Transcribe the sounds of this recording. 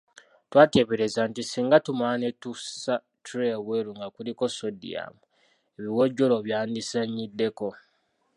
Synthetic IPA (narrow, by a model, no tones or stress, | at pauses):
twaːte̞ːβeɾe̞zantisiːŋɡatumaːnetusa | tɾeweɾuŋɡakuliko̞sodḭa̰mu | eβiwoɟːo̞loβjaːndisaɲːidːe̞ko̞